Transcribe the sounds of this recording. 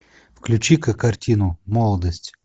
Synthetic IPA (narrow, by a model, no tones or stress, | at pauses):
fklʲʉt͡ɕikəkːɐrtʲinʊmɔlˠəd̪əsʲtʲ